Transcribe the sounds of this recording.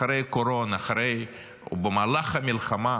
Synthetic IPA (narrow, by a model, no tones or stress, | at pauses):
ɾejkoɾonaχaɾej | bemalaχamilχama